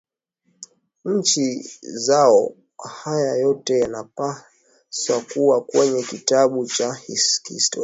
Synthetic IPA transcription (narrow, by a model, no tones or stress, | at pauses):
ɲ̩t͡ʃizaɔ | hajajɔtɛjanapa | swakuwakwɛɲɛkitaɓut͡ʃahiskḭstɔ